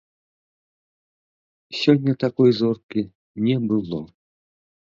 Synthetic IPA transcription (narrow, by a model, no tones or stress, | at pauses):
sʲɔnʲːɐt̪akɔjzɔrki | nʲɛbɨlˠɔ